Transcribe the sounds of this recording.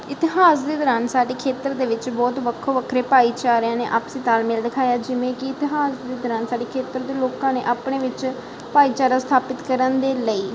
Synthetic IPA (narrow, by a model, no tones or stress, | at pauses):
ɪt̪ɪɦaːsd̪eːd̪əɾaːnsaːɖeːkʰeːt̪əɾd̪eːʋɪt͡ʃbɔːt̪ʋəkʰoːʋəkʰɾeːpaːiːt͡ʃaːɾjãːnḛːʔaːpsiːt̪aːlmeːlɖ̪ɪkʰaːjaːd͡ʒɪʋẽːkɪɪt̪ɪɦaːsd̪eːd̪ɾaːnsaːɖeːkʰeːt̪əɾd̪eːloːkãːnḛːʔaːpɳeːʋɪt͡ʃ | paːiːt͡ʃaːɾãːst̪ʰaːpɪt̪kəɾənd̪eːləiː